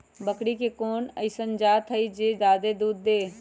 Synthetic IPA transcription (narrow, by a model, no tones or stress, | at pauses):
bɐkɽikekoːnɐ̰ɪsənd͡ʒaːt̪ʰɐid͡ʒeːd̪aːd̪ed̪uːd̪ːeː